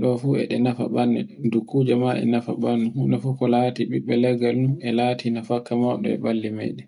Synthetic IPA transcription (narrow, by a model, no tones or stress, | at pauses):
ɗɔfuɛ̰ɗɛnafa̰ɓanːɛdukʰːud͡ʒɛmaɛ̰nafa̰banːuhunafukɔlatiɓiɓːɛlɛɡalnuɛlaːtinafakːamɔɗɔ̰ɛ̰balːimɛ̰ɗɛ